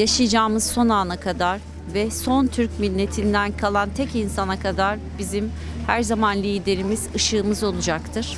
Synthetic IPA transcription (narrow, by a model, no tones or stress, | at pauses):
jaʃɯjd͡ʒaːmɯz̥so̞naːnakʰad̪aɾ | vɛso̞nt̪ʰyɾcmilʲːe̞t̪ʰind̪ænkʰalˠant̪ʰɛcinsanakʰad̪aɾ | bizim | hæɾzamanlʲiːd̪e̞ɾimiz̥ɯʃɯːmɯzo̞lˠud͡ʒakt̪ʰɯɾ̥